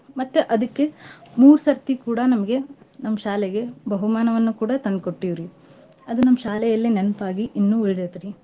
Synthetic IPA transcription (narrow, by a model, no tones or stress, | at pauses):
mɐt̪ːeʔɐd̪ɐkːemuːɾsɐɾt̪ikuːɽɐnɐmɐɡe̞nɐmːɐʃaːlɛɡe̞bʱɐɦumaːnɐʋɐnːukuːɽɐt̪ɐnd̪koʈːiʋɾi | ɐd̪unɐmːɐʃaːlɛjɐlːinenpaːɡiʔinːuiɭd̪et̪ɾi